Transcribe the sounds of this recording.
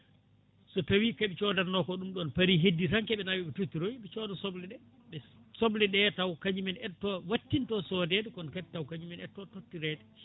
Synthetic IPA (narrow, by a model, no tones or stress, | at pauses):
sɔtawikaɓɛt͡ʃɔdaɾnɔkɔɗumɗɔnpaɾiɦedːisaŋkɛɓɛnawiɓɛtutːiɾojɓɛt͡ʃɔdasoblɛɗɛ | ɓɛsoblɛɗɛtawkaɲd͡ʒimɛnɛtːɔwatːintɔsɔdɛdɛkɔnkatawkad͡ʒumɛnɛtːɔtotːiɾɛdɛ